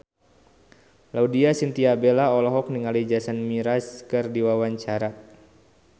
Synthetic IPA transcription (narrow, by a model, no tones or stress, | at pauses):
laudiasint̪iabelaɔlɔɦɔk̚niŋalid͡ʒasanmiɾaskɨrdiwawaɲt͡ʃaɾa